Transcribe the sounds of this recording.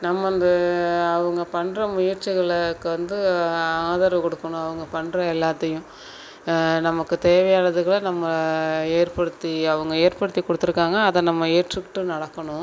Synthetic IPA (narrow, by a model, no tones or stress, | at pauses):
nɐmːɐnd̪ɐɐʋɐŋɡɐpɐɳːɾɐmʊjɐɾt͡ʃːɪɣɐɭkːɯʋɐnd̪ɯaːðɐɾʋkɔɽɯkːɐɳʊ̃ɐʋɐŋɡɐpɐɳɾɐɛlːaːt̪ːɐjʊ̃ | nɐmɐkːɯt̪eːʋɐjaːɾɐðɯɣɐɭɐnɐmːɐeːɾpɐɽɯt̪ːiɐʋɐŋɡɐeːɾpɐɽɯt̪ːikːɔɽɯt̪ːɯɾɯkːaːŋɡɐːðɐ̃nɐmːɐeːɾʈrɪkːʈːɯnɐɽɐkːɐɳʊ̃